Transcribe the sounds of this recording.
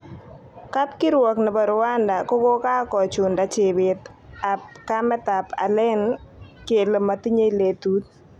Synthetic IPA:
ka˦t̚kɪ˦ɾwɔ˨knɛ˨bɔ˨ɾʊ˨wa˦nda˨ko˦ko˦ka˦kɔ˨t͡ʃʊ˨nda˨t͡ʃɪ˨bɪ˨t̪ | a˨p̚ka˦mɛ˦ta˨pʰa̰˨lɪ˦nke˨le˨ma˨ti˦ɲe˦le˨tu˨˦t̪̚

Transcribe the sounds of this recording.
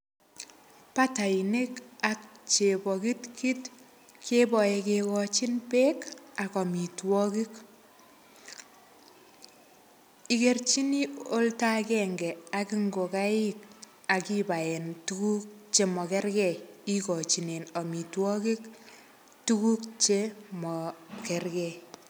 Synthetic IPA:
pa˦ta˨i˨ne˦ka˨k̚t͡ʃe˨bɔ˨ki˦tki˦t | kʰe˦bɔ˨ɛ˨kekɔ˨t͡ʃi˦npeː˦ka˨kɔ˨mi˨twɔ˦ki˦k | i˨kert͡ʃi˦ni˦o˦lta˦kɛːŋɡɛ˨a˨ki˦ŋɡo˨ka˦ik̚ | a˨kiba˨ɛ˨ntuku˦k̚t͡ʃe˦mɔ˨kɛ˦ɾkɛ˨i˦kɔ˨t͡ʃi˨ne˨nɔ˨mi˨twɔ˦ki˦k | tu˦ku˦kt͡ʃemɔ˨kɛrkɛ˨

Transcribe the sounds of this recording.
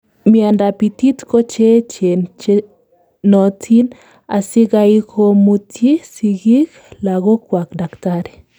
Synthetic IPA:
mia˨nda˨pi˨t̪i˦t̪ko˦t͡ʃe˦t͡ʃe˨nt͡ʃe | nɔ˨t̪ʰi˦n | a˨si˦ɡa˦i˦kʰo˦mu˦t̪ji˦si˨ɡi˦k | la˨ɡo˦kwa˨kda˨kt̪a˦ɾe˨

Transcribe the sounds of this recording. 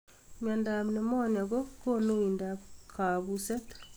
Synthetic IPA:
mɛ˨ndamne˨mɔ˦nja˨ɣɔ˦ko˦no˦i˨ndakʰa˨βusɛ˦t̪

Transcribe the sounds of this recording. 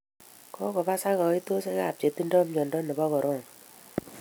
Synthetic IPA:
kɔ˦kɔ˨ba˦sa˦ɣɔ˨˦i˦to˦se˦ka˨p̚t͡ʃe˨ti˦ndɔ˦mɲɔ˨ndɔ˦nɛ˨bɔ˦ɣɔ˨ɾɔ˦˨ŋ

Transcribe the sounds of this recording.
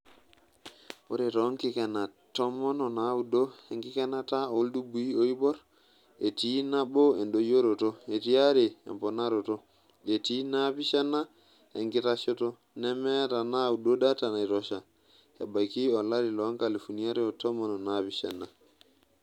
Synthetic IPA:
o˦ɾe˨ɾo˨˦ŋki˦ka˨na˨to˦mo˦no˨na˦wu˨do˦e˨ŋki˦ka˦na˦ta˦o˨˦ldu˦bu˨i˦o˦i˦bo˦ɾ | e˨ti˦na˦bo˦e˨nɗo˨jo˦ɾo˨to˦e˨ti˦a˦ɾe˨ḛ˨mpo˨na˦ɾo˨to˦ | e˨ti˦na˦pi˦ʃa˦na˦ | e˨ŋɡi˦ta˦ʃo˦to˦ | ne˦me˦ta˨na˦u˨do˦da˦ta˨na˨ɾo˦ʃa˨ | ḛ˨ba˨jki˦o˨la˦ɾi˨lo˨˦ŋka˨li˨fu˨ni˦a˦ɾi˦o˨to˦mo˦no˨napi˦ʃa̰˨na˨

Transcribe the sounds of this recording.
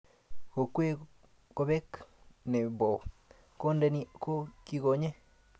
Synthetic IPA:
ko˨kʷe˦ | ko˧βe˦knẽ˨bo˨ | ko˦nde˧nĩ˧ko˦ki˦˧ɣo˧ɲẽ˦

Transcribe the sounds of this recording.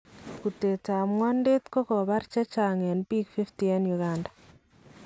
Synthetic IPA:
ku˨te˨ta˨mwɔ˦nde˦t̪kɔ˦kɔ˨βa˦ɾt͡ʃa˦t͡ʃa˨ŋɛ˨nbi˦kfi˦ftiɛ˦nju˨ɡandḁ˨

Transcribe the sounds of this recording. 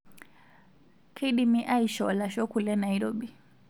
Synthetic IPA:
kʰɛ˦ɗi˦mi˦ʔa˦i˨ʃɔla˨ʃɔ˦kulɛ˦na˨iɾɔɓi˨

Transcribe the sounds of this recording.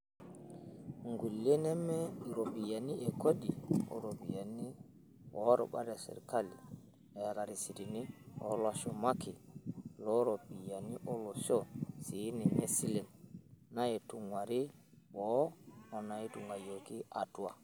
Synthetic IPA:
ŋɡu˨lːɛ˦nɛ˦mɛ˦i˨ɾo˨pi˨ja˨ni˦ʔɛ˨ko˦diɔ̰˨ɾo˨pija˨ni˦ | wɔɾɔ̰˨ɓa̰˦dasɛ̰˨ɾka˦lḭ˨ | ɛa˨ɾa˨ɾi˨si˨dini˦ɔ̰laʃɔma˦kilɔɾopija˨ni˦ʔɔ˦lo˨sɔ˦si˨˦nɛ˨mɛ˦si˦lɛ˨nna˦ɛ˨tu˨ŋwa˨ɾi˦ | ɓɔ˦ɔ˨na˨i˦tuŋwa˨joki˦atuwa̰˨

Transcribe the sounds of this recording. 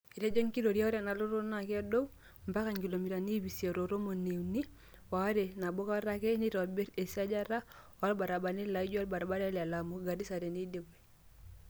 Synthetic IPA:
i˨ɾe˦d͡ʒɔ˦ŋki˦ɾo˨ɾja˦ɔ˦ɾa˨na˨lo˦ɾo˦na˦˨ka˦do˦w | mba˦ka˨ŋɡi˨lo˨mi˨ɾa˨ni˦bi˨sja˨ɾo˨ɾo˦mo˨ne˨wni˦ | wa˨˦ɾe˨na˨bo˦ka˦ɾa˦kɛ˦ni˦ɾɔ˨bɛ˦ɾe˨si˦a˦d͡ʒa˦ɾa˦wa˦lba˨ɾa˨ba˨ni˦la˨i˦d͡ʒa˦lba˨ɾa˨ba˦ɾɛ˦la˨la˨mo˨ɡa˨di˦sa˨ɾe˨ni˦de˨be˨

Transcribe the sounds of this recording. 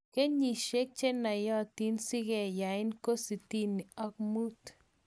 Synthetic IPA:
ke˦ɲi˨ʃe˦k̚t͡ʃe˦na˨jɔ˦˨t̪i˦nsɪ˦ɡɛ˨ja˨ɪ˦nko˦si˨t̪i˦ni˨ɔ˦k̚mu˦t̪

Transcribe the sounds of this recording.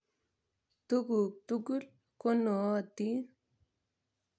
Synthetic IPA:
t̪u˦ɡu˨k̚t̪u˦ɡu˦l | ko˦no˨˦˨t̪i˦

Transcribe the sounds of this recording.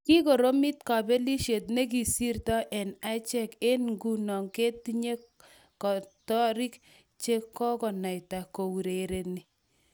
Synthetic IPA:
ki˦ko˨ɾo˦mi˦tka˨bɛ˦li˦ʃe˨tne˦k̬i˨si˦rtɔ˦ʔɛ˨na˦t͡ʃɛ˦ke˦nŋɡu˦nɔ˨ŋke˦ti˦ɲe˦ | kɔ˨tɔ˦ɾi˦k | t͡ʃe˦kːɔ˦kɔ˨na˨jta˨ko˨wu˨ɾe˨ɾe˨ni˨

